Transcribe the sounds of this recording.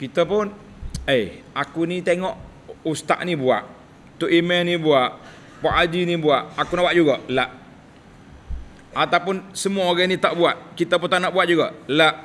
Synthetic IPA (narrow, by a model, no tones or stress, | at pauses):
kit̪əpʊn | ejakunit̪eŋɔʔ | ust̪a̰ʔnibua̰ʔ | t̪uʔimɛnibuaʔ | paʔad͡ʒinibuaʔakunawaʔ̚d͡ʒuɡaʔlaʔ | at̪awpʊnsəmuaoɡanit̪aʔbuaʔ̪̚kit̪əp̬ʊnt̪aʔnaʔbuat̪̚d͡ʒuɡaʔlaʔ